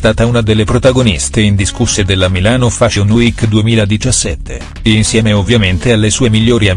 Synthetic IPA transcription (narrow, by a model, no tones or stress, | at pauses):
st̪aːt̪aunad̪elːepɾot̪aɡonist̪eind̪iskusːed̪elːamilaːnofaʃonuikːd̪uemiːlad̪it͡ʃasːɛt̪ːḛ | insjɛːmeovːjament̪ealːesuːemiʎːoːɾia